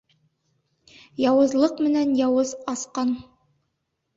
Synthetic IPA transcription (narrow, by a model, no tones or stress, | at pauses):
jɑwɤ̆zlˠɤqmɘ̆nænjɑwɤzɑsqɑn